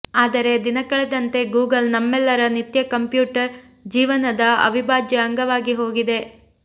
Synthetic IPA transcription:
aːd̪ɐɾe̞d̪inɐkɐɭed̪ɐnt̪e̞ɡuːɡɐlnɐmːɛlːɐɾɐnit̪jɐkɐmpjuːʈɐɾ | d͡ʒiːʋɐnɐd̪ɐɐ̰ʋibʱaːd͡ʒjɐɐŋɡɐʋaːɡiɦo̞ːɡid̪e̞

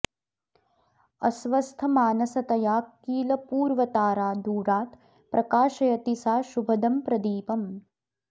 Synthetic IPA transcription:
ɐsʋɐst̪ʰɐmaːnɐsɐt̪ɐjaːkːiːlɐpuːɾʋɐt̪aːɾaːd̪uːɾaːt̪ | pɾʔɐkaːʃɐjɐt̪isaːʃubʱɐd̪ɐmpɾɐd̪iːpɐm

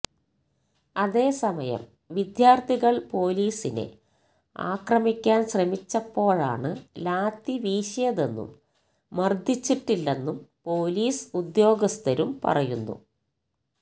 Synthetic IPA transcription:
ɐðe̞ːsɐmɐjɐ̰m | ʋid̪jaːrt̪ʰiɣɐɭpo̞ːliːsine̞̰ | a̰ːkrɐmikʲːaːnɕremit͡ɕːɐpːo̞ːɻa̰ːɳɨlaːt̪ːiʋiːɕɐjɐðe̞nːṵmː | ɐrd̪ʱit͡ɕːiʈːilːe̞nːumpo̞ːliːsud̪jo̞ːɡɐst̪ɐɾumpɐ̰rɐjunːṵ

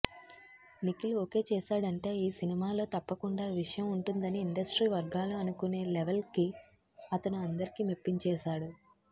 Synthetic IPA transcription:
nikiluoke̞ːt͡ʃɛːʃaːɽɐɳʈe̞ːiːsinimaːlo̞ːt̪ɐpːɐkuɳɖaːʋiʂɐjɐmuɳʈund̪ɐniːɳɖɐsʈɾiːʋɐɾɡaːluɐnukune̞ːleʋelki | ɐt̪ɐnuɐnd̪ɐɾikiːmipːiɲt͡ʃɛːʃaːɽu

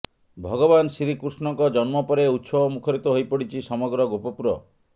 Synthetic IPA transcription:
bʱɔɡɔbansɾikɾusnɔŋkɔd͡ʒɔnmɔpɔɾeut̪sɔbɔmukʰɔɾit̪ɔɦojpɔɽit͡ʃʰisɔmɔɡɾɔɡopɔpuɾɔ

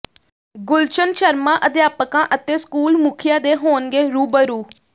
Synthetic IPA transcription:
ɡʊlt͡ʃənʃəɾmãːʔəd̪jaːpəkãːʔət̪eːskuːlmʊkʰɪjãːd̪eːɦoːnɡeːɾuːbəɾuː

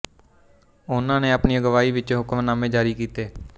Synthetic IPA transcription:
ʊnãːneːaːpniːəɡəʋaːiːʋɪt͡ʃɦʊkəmnaːmẽːd͡ʒaːɾiːkiːt̪eː

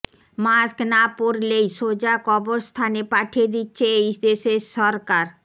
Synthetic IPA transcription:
masknapoɾlejʃod͡ʑakɔboɾst̪ʰanepaʈʰied̪itːɕʰeejʃd̪eʃeɾʃɔɾkaɾ

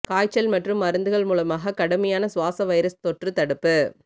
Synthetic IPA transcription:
kaːjt͡ʃːɐlmɐʈrɯmːɐɾɯnd̪ɯɣɐɭmuːlɐmaːɣɐkɐɽɐmɐjaːnɐsʊʋaːsɐʋɐɪɾɐst̪ɔʈrɯt̪ɐɽɯpːɯ

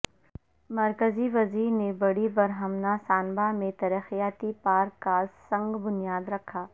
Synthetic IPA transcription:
mɐɾkəziʋɐziːɾnebɐɽibɐɾɦəmnasaːnbamẽt̪ɐɾəxijaːt̪ipaːɾkːasɐ̃ŋɡbʊnijaːd̪ɾɐkʰːaː

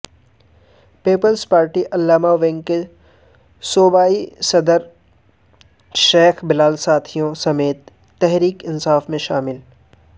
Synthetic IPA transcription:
peːpəlspaːɾʈiʔɐlːaːmaʋẽːŋɡke | soːbaːisɐd̪əɾ | ʃeːxbɪlaːlsaːt̪ʰijõsɐmeːt̪ː | ɛɦɾiːkɪnsaːfmẽʃaːmɪl

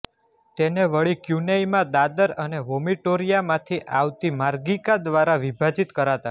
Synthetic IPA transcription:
t̪eneʋəɭikjunajmãd̪ad̪əɾəneʋomiʈoɾijamãt̪ʰiʔaʋt̪imaɾɡikad̪ʋaɾaʋibʱad͡ʒit̪kəɾat̪a

